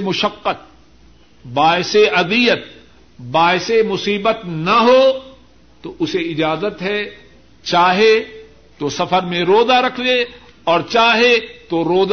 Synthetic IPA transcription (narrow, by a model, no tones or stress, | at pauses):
mʊʃəqːət̪̚ | baːɪseʔɐd̪ijət̪̚ | baːɪsemʊsiːbət̪nɐɦoː | t̪oʔʊseɪd͡ʒaːzət̪ɦɛ | t͡ʃaːɦe | t̪osɐfəɾmẽɾoːzaɾɐkʰd͡ʒe | ɔːɾt͡ʃaːɦet̪oɾoːz